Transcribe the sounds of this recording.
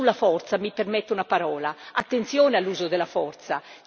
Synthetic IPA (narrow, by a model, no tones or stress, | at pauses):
ulːafɔrt̪samipermɛt̪ːeunapaɾɔːlaat̪ːent̪sjɔːnealːuːzod̪elːafɔrt̪sa